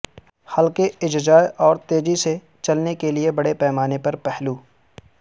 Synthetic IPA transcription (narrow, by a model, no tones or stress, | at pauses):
hɐlkeɪd͡ʒd͡ʒaːjʔɔːɾt̪eːd͡ʒise | t͡ʃɐlnekeliebɐɽepɛːmaːnepɐɾpɛɦluː